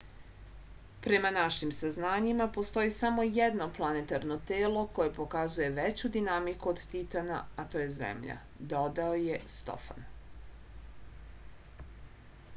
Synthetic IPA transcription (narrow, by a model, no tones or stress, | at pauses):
pɾe̞manaʃimsaznaːɲimapo̞st̪o̞jisamo̞jed̪no̞plˠane̞t̪aɾno̞t̪eːlo̞ko̞je̞po̞kazuje̞ʋet͡ɕud̪inamikuod̪t̪it̪ana̰at̪o̞ːje̞zḛmʎa̰ | d̪o̞d̪aoje̞st̪o̞̰fa̰n